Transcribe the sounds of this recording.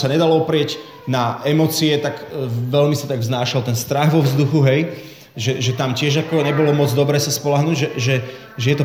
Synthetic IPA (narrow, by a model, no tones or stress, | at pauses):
saɲɛd̪alɔɔpɾɪɛɟ | naɛmɔt͡siɛt̪akʋɛlmisat̪aɡvznaːʃalt̪ɛnst̪ɾaɣʋɔvzd̪uxuɦɛj | ʒɛʒɛt̪amcɪɛʒakɔɲɛbɔlɔmɔd͡zd̪ɔbɾɛːsaspɔlaɦnuːɟʒɛʒɛ | ʒɛjɛt̪ɔ